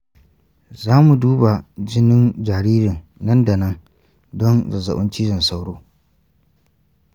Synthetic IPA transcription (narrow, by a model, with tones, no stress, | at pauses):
zaː˦mu˨duː˦ba˨d͡ʒɪ˦nɪ˦nd͡ʒaː˨ɾiː˦ɾɪ˨nnɐ˦nda˨nɐ˦ŋ | dɔ˦nzɐ˨zɐ̰˨ɓʊ˦nt͡ʃiː˦zɐ˨nsa˦wɽo̰ː˦